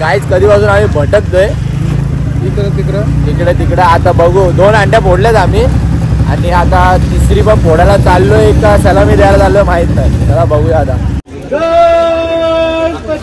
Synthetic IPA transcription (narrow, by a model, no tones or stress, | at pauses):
ɡajt͡skəd̪ʱiːpasuːnamibʱəʈək̪̚d̪oe | t̪ikɾt̪ikɾət̪ikɽet̪ikɽeat̪abəɡud̪onaɳɖjabʱoɽljat̪amia̰niat̪at̪isɾipəɳbʱoɽalat͡salːoeekːasɛlamid̪ɛalat͡salːoemaɦit̪nət̪alabəɡujat̪a